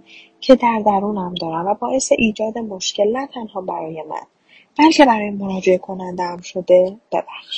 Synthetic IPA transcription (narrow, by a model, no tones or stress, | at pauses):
cʰe̞d̪æɾd̪æɾuːnæmd̪ɒːɾæmvæbɒːʔe̞seʔiːd͡ʒɒːd̪e̞mo̞ʃce̞lnæt̪ʰænhɒːbæɾɒːje̞mæ̰n | b̥ælcʰe̞bæɾɒːjemo̞ɾɒːd͡ʒe̞ʔekʰo̞nænd̪eæmʃo̞d̪e̞b̥e̞̰bæxʃ